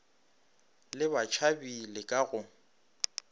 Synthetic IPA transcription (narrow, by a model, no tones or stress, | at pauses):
lɪbat͡ʃʰabilɪkʼaɣʊ